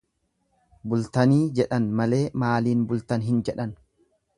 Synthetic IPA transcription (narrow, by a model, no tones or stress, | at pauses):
bʊlt̪ɐniːd͡ʒɛᶑɐnmɐle̞ːmaːliːnbʊlt̪ɐnɦɪnd͡ʒɛᶑɐn